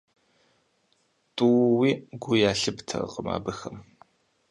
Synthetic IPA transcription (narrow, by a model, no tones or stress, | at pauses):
tʼuːwiːɡʷʊjaːɬɨbtʰɐ̰qʼəma̰ːbɨxɐm